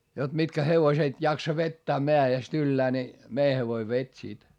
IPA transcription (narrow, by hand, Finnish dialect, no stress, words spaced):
jot mitkæ heʋoset jɑksɑ ʋetːæː meæest ylːæː ni mei heʋoi ʋetʲ sit